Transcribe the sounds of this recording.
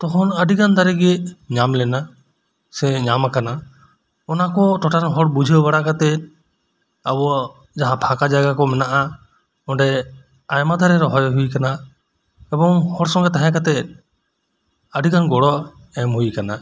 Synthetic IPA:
t̪ɔkʰɔnəɖikand̪aɾɛɡɛɲamlɛna | sɛɲamakana | ɔnakɔʈɔʈanɔɦɔɽbud͡ʒʱəbaɽakat̪ɛ | abɔ | d͡ʒaɦãpʰakad͡ʒaɡakɔmɛnaʔa | ɔ̃ɳɖɛ | ajmad̪ʱaɾɛɾɔɦɔjɦuikana | ɛbɔŋhɔɽsɔ̃ŋɡat̪aɦɛ̃kat̪ɛ | əɖikanɡɔɽɔ | ɛmɦujikana

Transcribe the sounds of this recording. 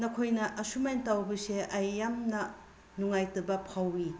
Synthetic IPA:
nɐkʰojnɐʔɐsumentawbɐseʔɐjːamnɐ | nuŋajtɐbɐpʰawi

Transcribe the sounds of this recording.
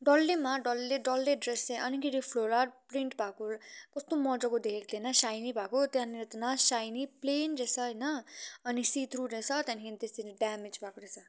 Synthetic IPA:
ɖʌlːemaɖʌlːeɖʌlːeɖreseʔʌnikiɾipʰloɾapɾiɳʈbʱakokʌst̪omʌd͡zʌkod̪ʱekek̚t̪ʰenʌsajnibʱakot̪jãniɾet̪enasajniplend͡zesʰʌʌjnʌːnisit̪ʰɾuɾesʰʌt̪ãnkent̪est̪eɾiɖamed͡zpakoɾesʰʌ

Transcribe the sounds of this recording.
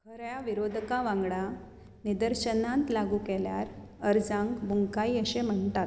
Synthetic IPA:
kʰəɾjaʋiɾod̪ʱkaʋãŋɡɽa | nid̪əɾɕənãnt̪laɡuːkɛljaɾ | əɾd͡zãŋɡbuŋɡkaiəɕem̤əɳt̪at̪̚

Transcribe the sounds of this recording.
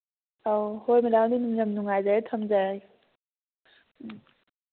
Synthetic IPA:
awhojmilaŋdinuŋjamnuŋajzatʰɐmzaj

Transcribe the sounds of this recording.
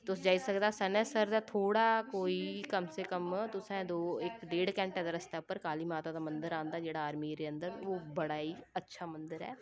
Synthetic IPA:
t̪ʊsd͡ʒaːiːsəkd̪aːsənɛ̃ːsəɾd̪aːt̪ʰoːɽaːkoːiːkəmseːkəmt̪ʊsɛ̃ːd̪oːɪkɖeːɽkɛ̃ːɳʈɛːd̪aːɾəst̪aːpəɾkaːliːmaːt̪aːd̪aːmə̃nd̪əɾãːnd̪aːd͡ʒeːɽaːaːɾmiːɾeːə̃nd̪əɾʋoːbəɽaːiːətːʃʰaːmənd̪əɾɛ̰ː

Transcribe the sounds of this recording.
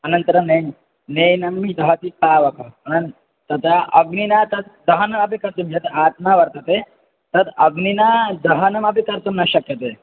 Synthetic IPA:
ɐnɐnt̪ɐɾɐne | nejnɐmːid̪ɐɦɐt̪ipaːʋɐpɐɐnɐn | t̪ɐt̪aʔɐɡninat̪ɐt̪̚d̪ɐɦɐnɐmɐpikɐɾt̪umd͡ʒɐt̪aːt̪maːʋɐɾt̪ɐt̪e | t̪ɐt̪ɐɡninad̪ɐɦɐnɐmɐp̬ikɐɾt̪umnɐɕɐkjɐt̪eː

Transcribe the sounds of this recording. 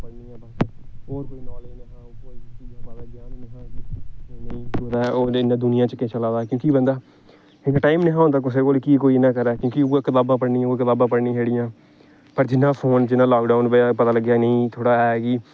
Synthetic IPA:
pəɽniːãːbasɦoːɾkoːiːnaːlẽːnːɦãːkoːiːtiãːpəlɡjaːnɦãː | nĩːoːd̪aːɛʔoːɪnãːd̪ʊnɪjãːt͡ʃəkeːt͡ʃəlãːd̪aːkjõːkibənd̪aː | ɪnaʈaːɪmneɦãɦõnd̪aːk̬ʊseːkoːlkiːkoːiːnãːkəɾɛːkjõːkioakɪt̪aːbãːpəɽnĩːokɪt̪aːbãːpəɽnĩːɦeːɽɪ̃jãː | pəɾd͡ʒɪnːãːpʰoːnd͡ʒɪnːãːlaːkɖaːnbepət̪aːləɡjaːnəĩːt̪ʰoːɽaːɦɛːki

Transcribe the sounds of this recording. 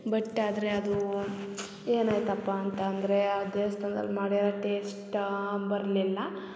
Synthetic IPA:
bɐʈːaːd̪ɐɾe̞ɐd̪u | eːnaːjt̪ɐpːaɐnt̪ɐːnd̪ɐɾe̞ad̪eːʋst̪ɐnd̪ɐ̰lːmaːɽiɾɐʈeːsʈbɐɾɐlilːɐ

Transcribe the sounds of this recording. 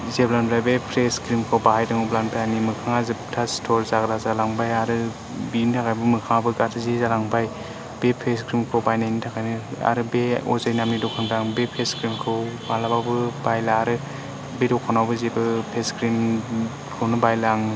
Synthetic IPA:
zeblanpɾajbepʰɾeskɾimkʰɯwbahajdaŋublanpajanimɯkʰaŋazɯtʰastʰɔɾzaɡɾazalaŋbajaɾɯ | bintʰakʰajbɯmɯkʰaŋabɯɡatʰɯzezalaŋbaj | b̥epʰeskɾimkʰɯwbajnajnitʰakʰajnɯa̰ɾɯbeɔzajnamnidɔkʰaŋdaŋbepʰeskɾimkʰɯwbalabawbɯbajlaːɾɯ | bedɔkʰanawbɯzebɯpʰeskɾim | kʰɯwnɯbajlaŋ

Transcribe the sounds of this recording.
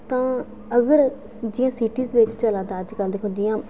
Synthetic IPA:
t̪ãː | əɡəɾ | d͡ʒijãːsiːʈiːzʋɪt͡ʃt͡ʃəlãːd̪aːəd͡ʒkəld̪eːkʰoːd͡ʒiːãː

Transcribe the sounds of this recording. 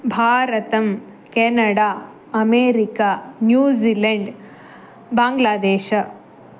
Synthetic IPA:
bʱaːɾɐt̪ɐm | keːnɐɽaː | ɐmeːɾikaːnjuːzilɐɳɖ | baːŋɡlaːd̪eːʃɐ

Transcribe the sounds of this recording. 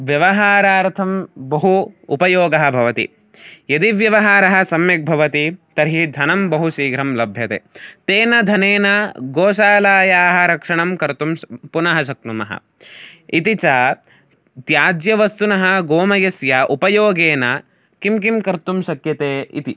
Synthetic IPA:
ʋjɐʋɐɦaːɾaːɾt̪ʰɐmbɐɦuːpɐjoːɡɐɦɐ̆bʱɐʋɐt̪ḭ | jɐd̪iʋjɐʋɐɦaːɾɐɦɐ̆sɐmjɐk̚bʱɐʋɐt̪it̪ɐɾɦid̪ʱɐnɐmbɐɦuʃiːɡɾɐmlɐbʱjɐt̪ḛːt̪eːnɐd̪ʱɐneːnɐɡoːʃaːlaːjaːɦɐɾɐkʂɐɳɐmkɐɾt̪umpunɐɦɐʃ̬ɐk̚numɐɦɐ̰ | it̪it͡ʃɐ | t̪jaːd͡ʒjɐʋɐst̪unɐɦɐɡoːmɐjɐsjaʔupɐjoːɡeːnɐ | kimk̬imkɐɾt̪umʃɐkjɐt̪eːḭt̪i

